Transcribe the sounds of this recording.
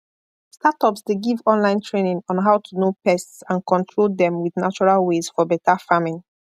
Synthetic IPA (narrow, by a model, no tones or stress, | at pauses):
statɔpsdeɡivɔ̃nlãɪ̃ntʰɹenĩŋɔ̃nɦaʊtʰunopɛstsãnkʰɔ̃ntʰɹolˠdɛ̃mwiðnat͡ʃɔɹalˠwezfɔbɛtʰafamĩn